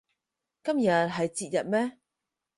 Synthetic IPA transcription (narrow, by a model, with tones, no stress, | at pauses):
kɐ˥mjɐ˨t̚ɦɐ˨jt͡siː˧t̚jɐ˨t̚mɛː˥